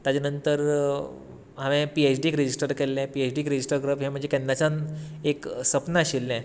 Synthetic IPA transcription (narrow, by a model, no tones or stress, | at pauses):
t̪jad͡ʑanənt̪əɾ | ɦaʋɛ̃piet͡ɕɖikɾed͡ʑisʈəɾkɛlːɛ̃piet͡ɕɖiːkɾed͡ʑisʈəɾɡɾəpɦɛ̃m̤əɳd͡zekɛ̃nd̪at͡ɕaneksəpnaɕilːɛ̃